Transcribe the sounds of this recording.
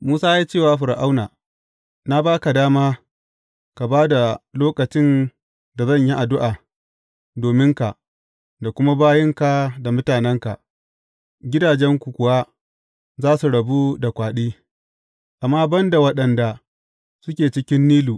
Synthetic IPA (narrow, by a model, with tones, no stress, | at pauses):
muː˦saː˦ja˦t͡ʃeː˦˨waː˦ɸɪ˨ɾʔa˦wnaː˨ | na˦baː˦ka˨daː˦maː˦ | ka˨baː˦da˨loː˦kɐ˨t͡ʃɪ˦n | da˨zɐ˦˨ɲji˦ʔa˨dʊ˦ʔaː˨ | doː˨mɪ˦ŋka˨ʔ | da˨kʷʊ˦ma˦baː˦jɛ˦ŋka˨da˨mʊ˦taː˨nɛ˦ŋka˨ʔ | ɡʲɪ˦daː˨d͡ʒɛ˦ŋkʷu˨kʷʊ˨wa˦ | zaː˦su˨ɽɐ˨bu˦da˨kʷaː˨ɗiː˦ | ʔa˨mːaː˦bɐ˦nda˨wɐ˦ɗɐ˨nda˨ | sʊ˦kʲeː˨t͡ʃɪ˦kʲɪ˦nːiː˦luː˨